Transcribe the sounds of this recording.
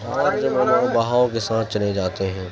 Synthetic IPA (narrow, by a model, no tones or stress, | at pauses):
aːɾd͡ʒɐmẽnãbɐɦaːõkesãːt̪ʰt͡ʃɐled͡ʒaːt̪eɦɛ̃ː